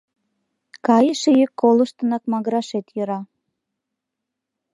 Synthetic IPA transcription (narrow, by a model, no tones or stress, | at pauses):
kɑjəʃejəkːolə̆ʃt̪ə̆nɑkmɑɣɾɑʃet̪jə̆ɾɑ